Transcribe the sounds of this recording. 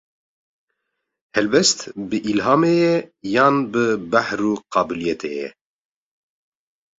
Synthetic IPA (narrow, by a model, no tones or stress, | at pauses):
hɛlbɛst̪bɨʔilɦɑːmeːjɛjɑːnbɨbahruːqɑːbɨlijɛt̪ʰejɛ̰